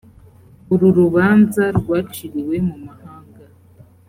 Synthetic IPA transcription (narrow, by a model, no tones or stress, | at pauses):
uɾuɾuβaːnzaɾɡwaːt͡ʃiɾiwe̞mumahaːŋɡa